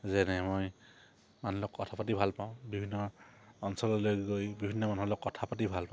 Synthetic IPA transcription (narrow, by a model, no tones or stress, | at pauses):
zɛnɛmoj | manlɔkɔtʰapat̬ibʱalpaw̃bibʱinːɔːnsɔlɔlojɡɡojbibʱinːɔmanɦɔlɔkːɔtʰapat̬ibʱalpã